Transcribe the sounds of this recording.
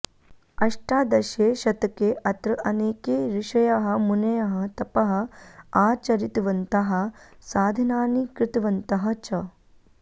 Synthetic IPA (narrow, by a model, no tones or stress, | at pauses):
ɐʂʈaːd̪ɐʃeːʃɐt̪ɐkeːʔɐt̪ɾɐʔɐneːkeːɾiʃɐjaɦɐ̆munɐjɐɦɐt̪ɐpɐɦɐaːt͡ʃɐɾit̪ʋɐnt̪ɐɦɐ̆saːd̪ʱinaːnikɾɪt̪ʋɐnt̪ɐɦɐ̆t͡ʃɐ